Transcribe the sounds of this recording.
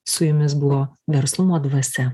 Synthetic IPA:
sʊjʊmʲɪs̬bʊʋoːʋʲɛɾslˠʊmoːd̪ʋɐsʲɛ

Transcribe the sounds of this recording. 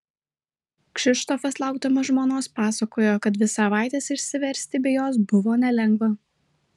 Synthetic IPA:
kʃʲɪʃt̪ofɐslˠɑˑʊɡd̪ɐmɐʒmoːnoːspɑːsɐkoːjoːkɐt̪ʋʲɪsɐʋɑˑɪt̪ʲeːsɪʃʲsʲɪʋʲɛɾʲsʲt̪ʲɪbʲɛjoːs̬bʊʋoːnʲɛlʲɛŋɡʋɐ

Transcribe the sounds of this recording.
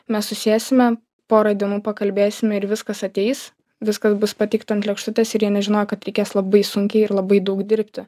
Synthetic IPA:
mʲɛssʊsʲeːsʲɪmʲɛ | poːɾɐd̪ʲɪmupɐkɐlʲbʲeːsʲɪmʲɛɪɾʋʲɪskɐsɐt̪ʲɛɪs | ʋʲɪskɐsbʊspɐt̪ʲɪkt̪ɐnt̪lʲɛkʃt̪ʊt̪ʲeːsɪɾjiːnʲɛʒʲɪnoːjɛkɐt̪ɾʲɛɪkʲeːslˠɐbɐɪsʊŋʲkʲɛɪɪɾlˠɐbɐɪd̪ɐʊkd̪ʲɪɾʲpʲt̪ʲɪ

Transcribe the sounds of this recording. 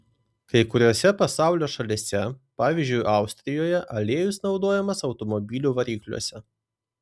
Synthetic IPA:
kɐɪkʊɾʲoːsʲɛpɐsɑˑʊlʲoːʃɐlʲisʲɛpɑːʋʲiːzʲd͡ʒʲʊɪʔɑˑʊsʲt̪ʲɾʲɪjoːjɛʔɐlʲeːjʊsnɒʊd̪oːjɛmɐsɒʊt̪ɔmɔbʲilʲuːʋɐɾʲiːklʲṵɔsʲɛ

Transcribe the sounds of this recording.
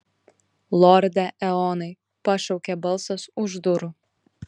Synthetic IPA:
lˠɔɾʲd̪ʲɛʔɛɔːnɐɪ | pɐʃɐʊkʲɛbɐlˠsɐsʊʒd̪ʊɾʊ

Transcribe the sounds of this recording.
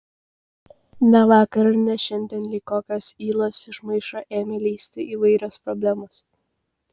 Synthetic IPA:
nʲɛʋɑːkɐɾɐnʲɛʃʲɛnʲd̪ʲiɛːnlʲiːkoːkʲoːsiːlˠoːsɪʃmɐɪʃoːʔeːmʲɛlʲiːsʲt̪ʲɪʔiːʋɐɪɾʲospɾɔbʲlʲæmoːs

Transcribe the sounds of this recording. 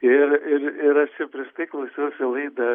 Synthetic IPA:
ɪrɪrɪɾɐʃt͡ʃʲɛpʲɾʲɪʃt̪ɐɪklˠɐʊsʲɛʊsʲɪlˠɐɪd̪ɐ

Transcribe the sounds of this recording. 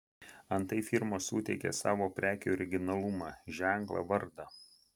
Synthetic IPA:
ɐnt̪ɐɪfʲɪɾmoːsṵːt̪ʲɛɪkʲḛːsɑːʋoːpʲɾʲæːkʲo̰ɔɾʲɪɡʲɪnɐlˠʊmɑːʒʲæˑŋˑklˠɐ̰ʋɐɾd̪ɑ

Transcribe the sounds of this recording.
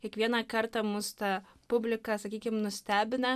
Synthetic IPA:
kʲiɛkʋʲiɛnɐkɐɾt̪ɑmʊst̪ɐ | pʊbʲlʲɪkɐsɐkʲiːkʲɪmnʊsʲt̪ʲæːbʲɪnɐ

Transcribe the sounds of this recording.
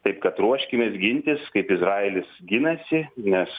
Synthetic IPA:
t̪ɐɪpkɐt̪ɾuɔʃʲkʲɪmʲesɡʲɪnʲt̪ʲɪskɐɪpɪzɾɑːelʲɪsɡʲɪnɐsʲɪnʲɛs

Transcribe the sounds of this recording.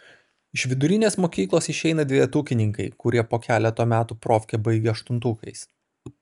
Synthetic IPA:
ɪʃʋʲɪd̪ʊɾʲɪnʲeːsmoːkʲiːklˠoːsɪʃʲɛɪnɐd̪ʲʋʲɛɛt̪uːkʲɪnʲɪŋkɐɪkʊɾʲiɛpoːkʲæːlʲɛt̪oːmʲæːt̪uːpɾoːfʲkʲebɐɪɡʲeɐʃt̪ʊnt̪uːkɐɪs

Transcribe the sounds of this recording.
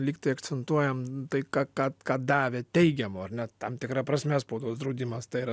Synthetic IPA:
lʲiːkt̪ɐɪɐkt͡ssʲɛnt̪uɔjɛmt̪ɐɪkɑkɑt̪kɑːd̪ɑːʋʲeːt̪ʲɛɪɡʲɛmoːɐɾnʲɛt̪ɐmt̪ʲɪkɾɑpɾɐsʲmʲæːspoʊd̪oːsd̪ɾɐʊd̪ʲiːmɐst̪ɐɪiɾɐ

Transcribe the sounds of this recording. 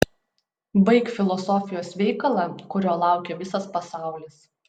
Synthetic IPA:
bɐɪkfʲɪlˠɔsɔfʲɪjoːsʋʲɛɪkɐlˠɑˑkʊɾʲoːlˠɑˑʊkʲɛʋʲɪsɐspɐsɑˑʊlʲɪs

